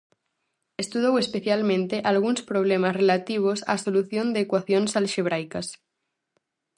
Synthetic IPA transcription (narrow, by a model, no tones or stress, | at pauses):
est̪uð̞owespeθjalmẽnt̪eʔalɣ̞unspɾoβ̞lemazrelat̪iβ̞osa̰soluθjond̪eːkwaθjonsalʃeβ̞ɾajkas